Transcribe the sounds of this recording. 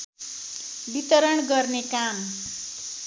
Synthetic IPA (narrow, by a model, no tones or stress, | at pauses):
bit̪ʌɾʌɳɡʌrnekam